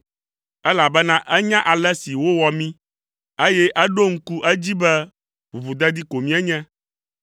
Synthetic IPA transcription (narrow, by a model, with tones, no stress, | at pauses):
ɛ˦la˨bɛ˦nã˦ʔɛ˦ɲã˦ʔa˨lɛ˦si˨wo˦wɔ˨mĩ˦ | e˦jɛ˦ʔɛ˦ɖo˦ŋ̩˦ku˦ʔɛ˦d͡ʑi˦bɛ˦ | ɸu˨vu˨d̪ɛ˦d̪i˦ko˨mĩ˦ɛ˦ɲɛ̃˦